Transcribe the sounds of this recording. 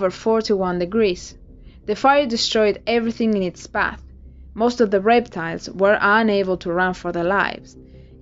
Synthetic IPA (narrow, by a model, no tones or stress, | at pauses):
və˞fɔɹtʰuwʌ̃ndɨɡɹiz̥ | ðɨfajə˞dɨstɹ̥ɔɪdɛvɹiθɪ̃ŋɨ̃nɪtsb̥æ̰θ | moʊstɔvðəɹɛp̚tʰaɪlˠzwə˞ʔə̃neɪbəl̩ˠtʰuɹʌ̃nfə˞ðəla̰ɪvz̥